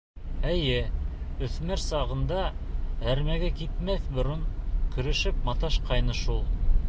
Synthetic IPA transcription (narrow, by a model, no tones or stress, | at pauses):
æjɘɵ̆θmæɾsɑʁɤ̆nd̪ɑæɾmæɡækit̪mæθbŏɾoɴkɵ̆ɾɘ̆ʃɘp̚mɑt̪ɑʃqɑjnɤʃulˠ